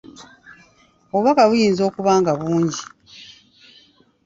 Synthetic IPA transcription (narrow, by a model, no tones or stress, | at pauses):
oβakaβujiːnzo̞ːkuβaːŋɡaβuːɲɟi